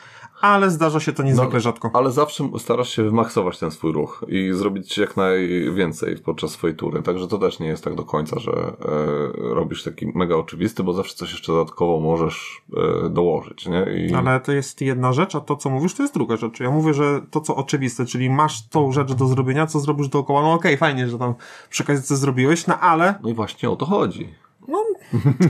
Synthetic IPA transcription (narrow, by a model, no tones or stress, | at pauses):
alɛzd̪aʐaɕɛt̪ɔɲɛzɨklɛʐat̪kɔalɛzafʂɛst̪aɾaʂɕɛvɘmaksɔvat͡ɕt̪ɛnsfujɾuxizɾɔbʲit͡ɕjaknajvʲjɛnt̪sɛ̰jpɔt̪̚t͡ʂasːfɔjejt̪ṵɾɘ̰t̪aɡʐɛt̪ɔt̪ɛʂɲɛjɛst̪ːaɡd̪ɔkʰɔɲt̪sa̰ʐɛ̰ | ɾɔbʲiʂt̪akʲḭmɛɡaɔt͡ʂɘvʲist̪ɘbɔzafʂɛt̪sɔɕjɛ̥ʂt͡ʂɛd̪ɔd̪at̪kɔvɔmɔʐɛʂ | d̪ɔwɔʐɘ̰t͡ɕɲɛḭalɛt̪ɔjɛst̪jɛd̪̚naʐɛt͡ʂat̪ɔt̪sɔmuvʲiʂt̪ɔjɛst̪d̪ɾuɡaʐɛt͡ʂjamuvʲjɛʐɛt̪ɔt̪sɔʔɔt͡ʂɘvʲist̪ɛt͡ʂɘlʲimaʂt̪ɔ̃w̃ʐɛt͡ʂd̪ɔzɾɔbʲjeɲat̪sɔzɾɔbʲiʐd̪ɔːkɔwanɔːkɛjfajɲɛʐɛt̪ampʂɛkazɘt̪sɛzɾɔbʲiwɛɕnɔʔalɛnɔivwaɕɲɛɔ̰t̪ɔxɔd͡ʑḭ | nɔ